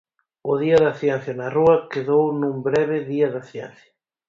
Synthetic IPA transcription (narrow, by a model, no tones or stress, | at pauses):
ʊðiɐðɐθjɛn̟θjɐnɐruɐkeðownũmbɾɛβɪðiɐðɐθjɛn̟θjɐ